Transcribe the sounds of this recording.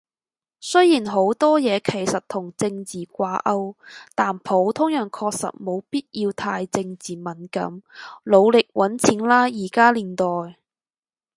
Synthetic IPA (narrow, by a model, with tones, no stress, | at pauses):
sɵ˥jjiː˨˩nɦo˨˥wt̪ɔː˥jɛː˨˧kʰe˨˩jsɐ˨t̚t̪ʰʊ˨˩ŋt͡sɪ˧ŋt͡siː˨kʷaː˧ʔɐ˧˥wt̪aː˨˩npʰo˨˥wt̪ʰʊ˥ŋjœː˨˩ŋkʰɔː˧k̚sɐ̰˨t̚mo˨˧wpiː˥t̚jiː˧wt̪ʰaː˧jt͡sɪ˧ŋt͡siː˨˩mɐ˨˩nkɐ̰˨˥mlo˨˧wlɪ˨k̚wʔɐ˨˥nt͡sʰi˨˧˥ŋlaː˥jiː˨˩kaː˥liː˨˩nt̪ɔː˨˩j